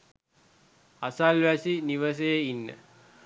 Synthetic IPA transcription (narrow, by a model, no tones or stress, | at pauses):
asalʋæsiniʋəs̬ejeinːə̰